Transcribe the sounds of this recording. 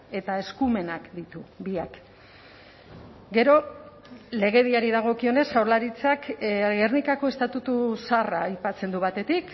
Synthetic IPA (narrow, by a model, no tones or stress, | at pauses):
e̞t̪ae̞skume̞nakd̪it̪uβiak | ɡe̞ɾo̞ | le̞ɣ̞e̞ðiaɾiðaɣ̞o̞kio̞ne̞sawɾlaɾit͡sakernikako̞e̞st̪at̪ut̪usaraːjpat͡se̞nd̪uβat̪e̞t̪ik